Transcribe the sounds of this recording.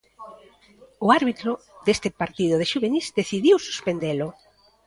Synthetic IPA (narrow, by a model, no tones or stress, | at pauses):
ʊaɾβit̪ɾʊd̪est̪ɪpaɾt̪iðʊð̞eʃuβenisd̪eθiðiwsu̥spend̪elʊ